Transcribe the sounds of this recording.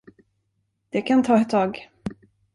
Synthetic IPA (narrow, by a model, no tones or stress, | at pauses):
d̪̥ɛkʰant̪ʰɑːɛt̪ʰːɑːɡ